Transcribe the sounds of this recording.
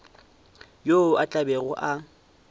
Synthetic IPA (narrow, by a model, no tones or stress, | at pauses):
joat͡ɬʼabeɣʊʔa